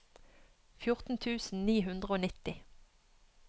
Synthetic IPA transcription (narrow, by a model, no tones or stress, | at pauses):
fjʊʁt̪n̩t̪ʰʉːsn̩niːɦʉnd̪ʁəoːnɪt̪ɪ